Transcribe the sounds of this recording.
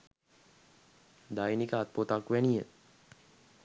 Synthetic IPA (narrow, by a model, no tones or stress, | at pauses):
d̪ajnikəat̪̚pot̪akʋænijə